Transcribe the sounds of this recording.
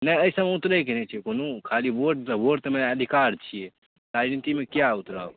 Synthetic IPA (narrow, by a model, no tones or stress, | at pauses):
nɛjəisəmeut̪ɾɛjkenɛt͡ʃʰiekonokʰaliboʈt̪əboʈt̪meəd̪ʱikaɾt͡ʃʰije | ɾad͡ʒnit̪imekjaut̪ɾa̰o